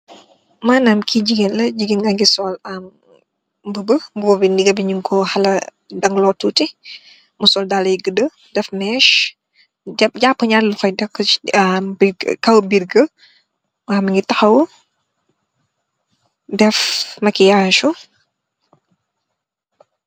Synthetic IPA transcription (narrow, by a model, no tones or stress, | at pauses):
maːnaːmkʰiɟiɡinlɐɟiɡinɡɐŋɡisɔːlɐm | bəbəmbubɔbiniɡɐbiɲiŋkʰɔhɐlɐ | dɐŋlɔtuːti | musɔːldalɐjɡədə | dɛfmɛːʃ | ɟɛp̚ɟapːəɲallufɐjdɐkː | biɡ̰kɐwbiɾɡə | waːmɐŋɡitɐxɐwu | dɛfmɐkijaːʃu